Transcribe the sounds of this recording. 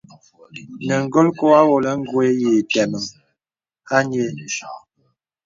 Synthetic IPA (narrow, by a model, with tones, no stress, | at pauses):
nə˨ŋ˦ɡo˦lko˦a˦wo˨lə˦ŋ̩˦ɡwe˦je˨tɛ˨mə˨ŋ | a˦n˦e˨